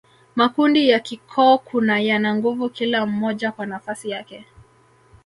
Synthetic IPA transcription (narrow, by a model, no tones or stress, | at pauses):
makundijakikʰɔːkʰunajanaŋɡuvukilam̩mɔʄakwanafasijakɛ